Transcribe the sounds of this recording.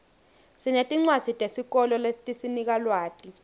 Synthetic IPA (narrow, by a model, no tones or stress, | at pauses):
sinetʼiŋ͡ǀwḁz̥ʱitʼesik̬ɔlɔletʼisinik̬alwaːtʼi